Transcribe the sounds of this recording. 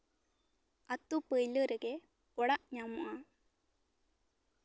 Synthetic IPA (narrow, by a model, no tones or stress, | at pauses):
ɐt̪ːupəjlɯɾɐɡe | ɔɽaʔɲamuʔa